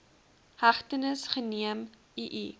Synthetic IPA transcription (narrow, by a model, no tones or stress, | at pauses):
hɐχtənəsχəniəm | iʔi